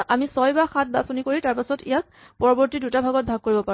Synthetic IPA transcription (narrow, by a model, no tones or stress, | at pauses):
ʔamisɔjbaxat̚basonikoɹitaɹpasɔtḭjak̚ | pɔɹɔbɔɹtidutabʱaɡɔt̚bʱaɡ̚koɹibɔpa